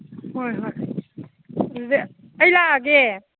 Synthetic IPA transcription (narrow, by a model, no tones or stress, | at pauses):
ɦojɦoj | ze | əjlaɡe